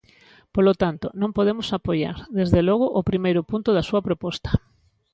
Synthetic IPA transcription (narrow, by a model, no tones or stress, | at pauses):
polot̪ant̪onõmpoðemʊsapoja̰ɾðezðelɔɣ̞ʊʔopɾimejɾʊpunt̪ʊðasuɐpɾopɔst̪ɐ̥